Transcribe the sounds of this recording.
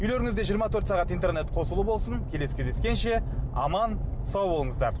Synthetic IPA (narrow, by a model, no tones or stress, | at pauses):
ʏjleɾɪŋɪzd̪e̞ʒijəɾmɑt̪ʰɵɾt̪sɑʁɑt̪int̪erne̞t̪qʰo̞səlˠubo̞lˠsənkʲʰe̞leskʲʰezd̪eskʲe̞nʃe̞ɑmɑnsɑwbolˠəɴəzd̪ɑɾ